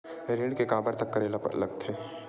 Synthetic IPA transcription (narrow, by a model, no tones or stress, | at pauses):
ɾɪ̃ɳkekaːbəɾt̪ɐkːəɾel̰lɐɡ̚t̪ʰe